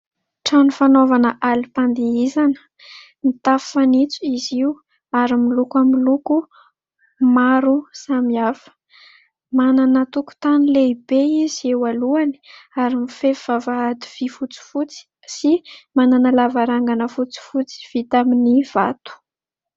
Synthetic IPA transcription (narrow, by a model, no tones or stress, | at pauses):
ʈ͡ʂanufanovanəʔalipand̪iizanə̥ | nit̪affanit͡suiziu | aɾimilukamiluku | maɾusamiafə̥ | mananət̪uku̥t̪anileibeiz̥iewaluani̥aɾimifefivavaɦad̪i̥v̥ifut͡si̥fut͡si̥ | simananalavaɾaŋɡanəfut͡si̥fut͡si̥v̥it̪aminiv̥at̪u̥